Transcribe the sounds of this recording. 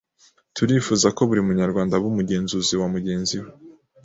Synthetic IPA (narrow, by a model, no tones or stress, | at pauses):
tuɾiːfuːzako̞βuɾimuɲaɾɡwaːndaβumuɟe̞ːnzuziwamuɟe̞ːnziwe